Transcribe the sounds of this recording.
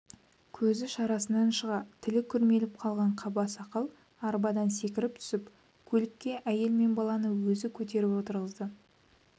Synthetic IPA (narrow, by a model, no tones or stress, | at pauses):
kʲʰɵzɪʃɑɾɑsənːɑnʃəʁɑt̪ʰɪlɪkʲʰʏɾme̞lɪp̚qʰɑlˠʁɑɴqʰɑbɑsɑqəlˠ | ɑɾbɑd̪ɑnse̞kʲɪɾɪp̚t̪ʰʏ̥sɪp | kʲʰɵlɪkʲːe̞ʔæje̞lme̞nbɑlˠɑnəwɵzɪkʲʰɵt̪e̞ɾɪpwo̞t̪əɾʁəzd̪ə